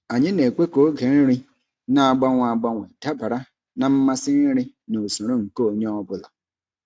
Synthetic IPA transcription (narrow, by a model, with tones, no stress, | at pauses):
a˨ɲɪ˦ne˨kʷe˦ko˦o˦ɡe˨n̩˦ɾi˦ | na˦a˨ɡ͡ba˦ŋʷa˨ɡ͡ba˦ŋʷe˨da˦ba˨ɾa˦ | na˨m̩˦ma˦sɪ˦n̩˦ɾɪ˦ | no˨so˨ɾo˦ŋ̩˨ko˦o˨ɲ˦ɔ˦bʊ˦˨la̰˨